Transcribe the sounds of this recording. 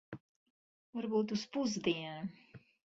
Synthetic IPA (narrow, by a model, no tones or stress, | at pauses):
vaɾbuːt̪uspuzd̪iɛn